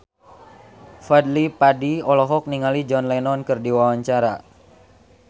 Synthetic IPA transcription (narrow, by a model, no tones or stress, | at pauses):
fadlipadiɔlɔɦɔk̚niŋalid͡ʒɔnlɛnɔnkɨrdiwawaɲt͡ʃaɾa